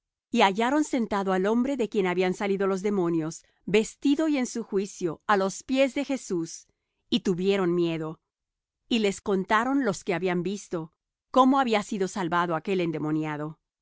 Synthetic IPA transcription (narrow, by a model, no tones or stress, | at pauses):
iaʝaɾo̞nse̞nt̪aðoalo̞mbɾe̞ðe̞kje̞naβiansaliðolo̞zðe̞mo̞njo̞z̥ | be̞st̪iðo̞ie̞nsuxwisjo̞alo̞spje̞zðe̞xe̞sus | it̪uβje̞ɾo̞nmje̞ðo̞ | ile̞sko̞nt̪aɾo̞nlo̞ske̞aβiambist̪o̞ | ko̞mo̞aβiasiðo̞salβaðoake̞lend̪e̞mo̞njaðo̞